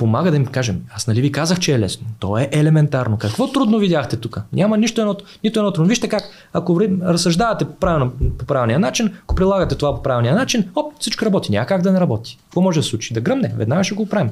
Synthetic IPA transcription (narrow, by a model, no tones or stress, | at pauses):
pomaɡəd̪ɐimkaʒɛmasnɐlivikazəxt͡ʃɛːlɛ̰snot̪ɔɛʔɛlɛmɛnt̪aɾnokɐkvɔt̪ɾud̪novidʲjaxt̪ɛt̪ukənʲʔamɐniʃt̪oɛnɔ | nit̪oɛnɔt̪ɾud̪oviʃt̪ɛkak | ɐkoɾɾɐsɐʒd̪avɐt̪ɛpɾavʲilˠnpopɾavʲilˠnijənat͡ʃinɐkopɾilˠaɡɐt̪ɛt̪ovapopɾavilˠnijənat͡ʃinɔp̪sit͡ʃkoɾɐbɔt̪inʲa̰mɐkaɡd̪ɐnɛɾɐbɔt̪i̥kɐkvɔmɔʒɛd̪slˠut͡ʃi̥d̪ɐɡɾɤmnɛvɛ̰d̪naɡəʃɛɡopɾavi